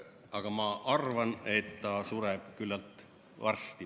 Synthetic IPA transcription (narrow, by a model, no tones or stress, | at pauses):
ɑɡ̥ɑmɑʔɑrvɑne̞t̪t̪ːɑːsuɾeb̥̚kylːɑlt̪ˑ | vɑrst̪i